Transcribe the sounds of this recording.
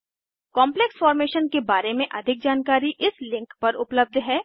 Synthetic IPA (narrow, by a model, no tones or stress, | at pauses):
kɔːmpleksfɔːɾmeːʃənkebaːɾemẽʔɐd̪ʱɪk̚d͡ʒaːnkaːɾiʔɪslɪ̃ŋkpɐɾʊpləb̚d̪ʱɦɛː